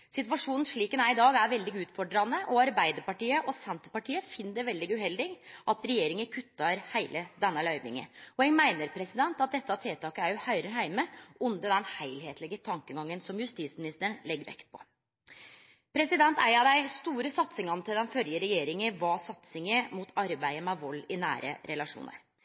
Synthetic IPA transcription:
sɪt̪ʋɑʂuːnn̩ʂɭiːkənæɪɪd̪ɑːɡæɾʋɛld̪ɪɡʉːt̪fɔɖɾɑnːəʔɔɑɾbæɪd̪əɾpɑʈiːəʔɔsɛnt̪əpɑʈiːəfɪnːd̪əɾʋɛld̪ɪɡʉɦɛld̪ɪɡʔɑt̪ɾɛjeːɾɪŋəkʰʉt̪ːɑɾhæɪlʔəd̪ɛnːəlœʏʋɪ̰ŋə̰ɔɛŋmæɪnəɾpʰɾɛsɪd̪ɛnt̪ɑt̪̚d̪ɛt̪ːəɑt̪ʰeːt̪ʰɑːkəæɾjʊhɑʏɾəhæɪməʉnd̪əd̪ɛnheɪlheːt̪lɪɡət̪ʰɑŋkəɡɑŋːənsɔmjʉst̪iːt̪smɪnɪst̪əɳlɛɡɾʋɛ̰kt̪̚pʰɔ̥̰ | pʰɾɛsɪd̪ɛnt̪ʰæ̰ɪɑd̪æɪst̪uːɾəsɑt̪sɪŋɑnt̪ʰɪld̪ɛnfœljəɾɛjeːɾɪŋəʋɑsɑt̪sɪŋəmut̪ʰɑɾbæɪəmɛʋɔlːɪnæ̰ːɾʔə̰ɾɛlɑʂṵːnə̰ɾ

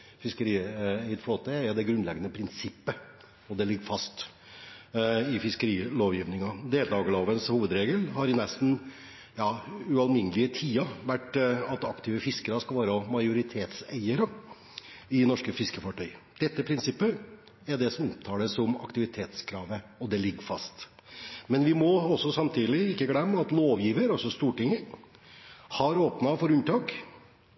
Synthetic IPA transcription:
fɪskəɾiːæɪət̪floːt̪əɛɾd̪ɛɡɾʉnlɛɡːənəpʰɾɪnsɪpːə | ɔd̪ɛlɪɡːəfɑst̪ | ɪfɪskəɾiːloːʋjiːʋnɪŋɑd̪eːld̪ɑːɡəloːʋənshuːʋəd̪ɾeːɡəlɦɑɾɪnɛst̪n̩ | jɑːʉɑlmɪnːəlɪət̪ʰiːɑʋæʈːɑt̪ɑkt̪ʰɪːʋəfɪskəɾəskɑlʋɑːɾəɔmɑɪjʊɾɪt̪ʰeːt̪sæ̰ɪəɾə | ɪnɔʂkəfɪskəfɑʈʰœʏd̪̥ɛt̪ːəpʰɾɪnsɪpːə | æɖɛsɔmɔpt̪ʰɑːd̪əsɔmɑ̰kt̪ɪʋɪt̪ʰeːt̪skʰɾɑːʋəɔd̪ɛlɪɡːfɑst̪mɛnʋɪmɔɔsːɔsɑmt̪ʰiːlɪɪkːəɡɽɛmːɑt̪loːʋjiːʋəɾɔsɔst̪uːʈɪŋːəɾ | hɑɾoːpnɑfɔɾʉnt̪ʰɑːk

